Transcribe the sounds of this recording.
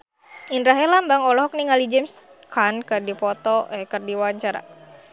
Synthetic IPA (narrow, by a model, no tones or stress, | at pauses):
indɾaɦirlambaŋɔlɔɦɔk̚niŋalid͡ʒɛms | kʰankərdipɔt̪ɔʔɛkərdiwaɲt͡ʃaɾa̰